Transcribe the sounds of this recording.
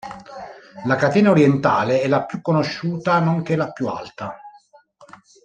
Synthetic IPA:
lakat̪eːnaoɾjɛnt̪aːleɛlːapjukːonoʃːuːt̪anoŋk̟ɛlapjua̰lt̪a

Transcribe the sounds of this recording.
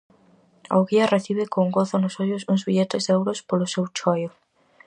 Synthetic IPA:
a̰wɣiɐreθiβɪkoŋɡoθʊnʊsoʎʊsuŋzβiʎet̪ɪzd̪ɛwɾʊspolʊsewt͡ʃɔjʊ

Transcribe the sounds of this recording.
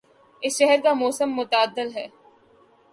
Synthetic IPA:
ɪsʃɛɦəɾkamoːsəmːʊt̪aːd̪ːɪlɦɛː

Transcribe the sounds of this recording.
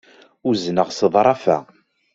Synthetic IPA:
ʊznəʁsəðˤɾˤɑfæ̰

